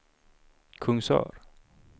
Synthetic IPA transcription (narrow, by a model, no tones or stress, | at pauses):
kʰɵŋsœ̰ːɾ